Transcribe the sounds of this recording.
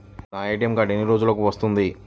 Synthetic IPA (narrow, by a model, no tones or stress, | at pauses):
naːeːʈijɐmkaːʈenːiɾo̞ːd͡ʒuloːkuʋɐst̪und̪i